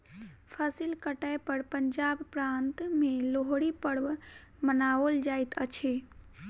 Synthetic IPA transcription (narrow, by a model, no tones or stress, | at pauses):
pʰəsilkəʈajpəɽpəɲd͡ʒabpɾãnt̪meloɦɽipəɽʋmənaold͡ʒajt̪ət͡ʃʰe